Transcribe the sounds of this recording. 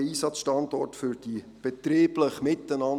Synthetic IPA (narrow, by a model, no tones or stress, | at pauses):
iːsɑt͡sʃtɑndɔrtfʏɾd̥i | b̥ɛt̪riːbləχmɪtənɑn